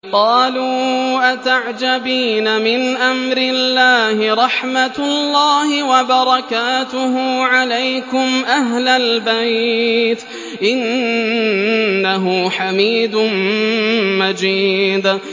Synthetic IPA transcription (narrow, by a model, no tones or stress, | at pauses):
qɑːluːʔat̪aʕd͡ʒabiːnamɪnʔamɾɪlːaːhɪɾˤɑħmat̪lːaːhɪwabɑɾˤɑkaːt̪ʊɦʊːʕalajkʊmʔaɦlalbajt̪ | ʔɪn | aɦʊħamiːd̪ʊn | mad͡ʒiːd̪